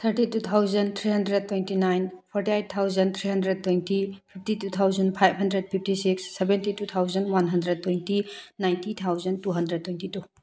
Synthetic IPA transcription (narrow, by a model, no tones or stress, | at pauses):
t̪ʰəɾtitut̪ʰawzɐnt̪ʰɾiɦɐndɾed̚tːwejntinajnpʰɔɾtiajt̚t̪ʰːawzɐnt̪ʰɾiɦɐndɾed̚tojntipʰip̚ʰtitut̪ʰawzɐnpʰajb̚ɦɐndɾed̚pʰip̚tisiksːebentitut̪ʰawzɐnwanɦɐndɾed̚tojntinajntit̪ʰawzɐntuɦɐndɾed̚tːojntitu